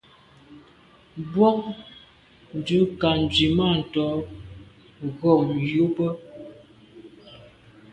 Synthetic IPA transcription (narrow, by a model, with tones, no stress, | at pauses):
bwɔ˦k̚ | n˨˦d͡ʒʉ˨˦ka˨n˨d͡ʒɥi˨ma˦˨n̩˨tɔ˨˦ | ɣɔ˨mju˦bə˦